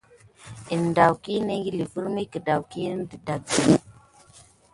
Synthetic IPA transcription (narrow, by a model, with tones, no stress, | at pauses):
i˨n˨da˨wki˦ne˦ŋɡi˦˨li˨vu˦ɾmi˦kə˨da˨wki˦n˦də˨da˨ɡi˨˦˨